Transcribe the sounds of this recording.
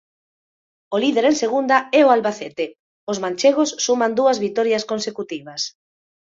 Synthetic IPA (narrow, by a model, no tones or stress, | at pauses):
oliðeɾeŋseɣund̪aɛoalβaθet̪e | ozmãnʲt͡ʃeɣ̞osːumand̪uɐzβit̪ɔɾjaskonsekut̪iβɐs